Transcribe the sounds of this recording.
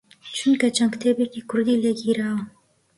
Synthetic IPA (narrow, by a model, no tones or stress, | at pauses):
t͡ʃʰunkɐt͡ʃaŋkt̪ʰeːbekiːkʰʊɾd̪iːleɡiːɾaːwa